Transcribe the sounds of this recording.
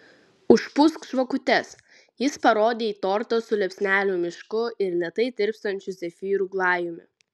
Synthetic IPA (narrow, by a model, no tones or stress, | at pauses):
ʊʃpʊskʃʋɐkʊt̪ʲɛs | jɪspɐɾoːd̪ʲeːiːt̪ɔɾt̪osʊlʲɛpʲsʲnʲæːlʲuːmʲɪʃkʊɪɾlʲɛt̪ɐɪd̪ʲɪɾʲpst̪ɐnʲt͡ʃʲʊsʲɛfʲiːɾuːɡlˠɑːjʊmʲɪ̰